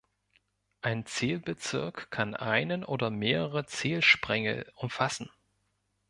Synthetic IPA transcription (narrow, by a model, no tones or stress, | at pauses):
ʔaɪnt͡seːlbət͡sɪɐkkʰːanʔa̰ɪnənʔoːdɐmeːʁəʁət͡seːlʃpʁ̥ɛŋə̰ʊmfasn̩